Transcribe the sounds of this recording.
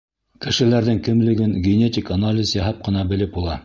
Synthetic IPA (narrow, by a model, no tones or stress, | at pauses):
kɘ̆ʃɘ̆læɾðɘŋkɘ̆mlɘ̆ɡɘŋɡʲenʲetʲɪkanalʲɪsjɑɦɑp̚qɤ̆nɑbɘ̆lɘp̚bulˠɑ